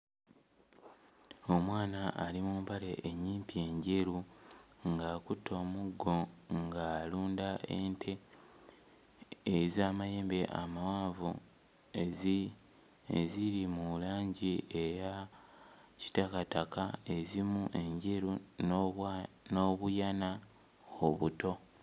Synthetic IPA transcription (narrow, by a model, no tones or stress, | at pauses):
o̞mwaːnaʔːlimuːmpale̞ʔːɲːiːmpie̞ɲɟeɾuŋɡaːkutʰːo̞ːmuɡːo̞ŋɡaːluːndaʔentʰe | ezaːmajeːmbeʔa̰mawaːvu | ḛziɾimuulaːɲɟieja | ci̥takatakae̞zimuʔeɲɟeɾu | noβujana | oβuto̞